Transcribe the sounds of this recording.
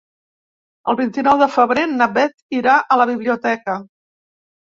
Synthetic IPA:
ə̰lˠβint̪inɔwðəfəβɾenəβɛt̪iɾaʔələβ̞iβliut̪ɛkə

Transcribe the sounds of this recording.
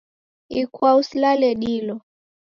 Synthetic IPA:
ikwauslalɛɗilɔ

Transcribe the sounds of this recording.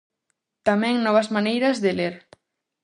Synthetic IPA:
t̪ameŋnɔβazmanejɾazðeleɾ

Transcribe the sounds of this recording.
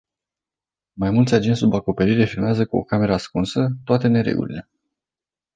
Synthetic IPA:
majmult̪sʲad͡ʒensubako̞pe̞ɾiɾefilmeazəkuo̞̰kame̞ɾaskunsət̪oat̪e̞ne̞ɾe̞̰ɡṵlḭle̞

